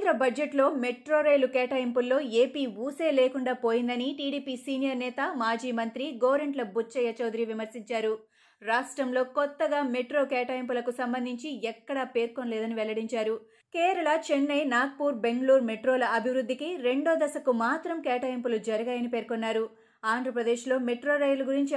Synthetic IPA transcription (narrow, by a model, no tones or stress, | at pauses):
d̪ɾɐbɐd͡ʒeʈlo̞ːmeʈɾoːɾejlukɛːʈaːjimpulːo̞ːeːpiːuːse̞ːleːkuɳɖaːpoːjind̪ɐniʈiːɽiːpiːsiːnijɐɾnɛːt̪ɐmaːd͡ʒiːmɐnt̪ɾiɡoːʋɾeɳʈlɐbut͡ʃːɐjɐt͡ʃoːd̪ɾiʋimɐɾsiɲt͡ʃaːɾu | ɾaːʂʈɾɐmlo̞ːkɔt̪ːɐɡaːmeʈɾo̞ːkɛːʈaːjimpulɐkusɐmbɐnd̪ʱiɲt͡ʃiɛkːɐɽɐpe̞ːɾkonlɛːd̪ɐniʋɛlːɐɽiɲt͡ʃaːɾu | kɛːɾɐɭɐt͡ʃenːɐjnaːɡ̚puːɾbe̞ŋɡɐluːɾmeʈɾoːlɐɐbʱiʋɾud̪ʱːikiɾe̞ɳɖoːd̪ɐsɐkumaːt̪ɾɐmkɛːʈaːjimpulud͡ʒɐɾɐɡɐːjɐnipeːɾkonːaːɾu | aːnd̪ʱɾɐpɾɐd̪eːʃlo̞ːmeʈɾo̞ːɾɐjɐluɡuɾiɲt͡ʃi